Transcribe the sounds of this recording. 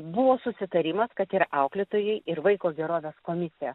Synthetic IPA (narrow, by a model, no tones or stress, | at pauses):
bʊʋoːsʊsʲɪt̪ɐɾʲɪːmɐskɐt̪ɪɾʔɐʊklʲɪt̪oːjɛɪʔɪɾʋɐɪkoːɡʲɛɾoːʋʲeːskoːmʲɪsʲɪjɛ